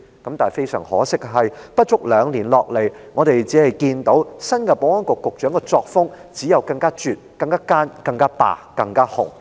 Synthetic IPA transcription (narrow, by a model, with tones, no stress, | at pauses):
kɐ˨˥mt̪aː˨˩fe˥jsœː˨˩ŋhɔ̰ː˨˥sɪ˥k̚ɦɐ˨jpɐ˥t̚t͡ʃʊ˥k̚lœː˨˧ŋliː˨˩nlɔː˨k̚le˨˩jŋɔː˨˧t̪e˨jt͡siː˨˥hɐ˨jkiː˧nt̪o˨˥wsɐ˥nkɛː˧poː˨˥ŋɔː˥nkʊ˨kːʊ˨k̚t͡ʃœː˨˥ŋkɛ˧t͡sɔː˧k̚fʊ˥ŋt͡siː˨˥jɐ˨wkɐ˧ŋkaː˥t͡ʃyː˨t̚kɐ˧ŋkaː˥kaː˥nkɐ˧ŋkaː˥pa̰ː˨˩kɐ˧ŋkaː˥hʊ˨˩ŋ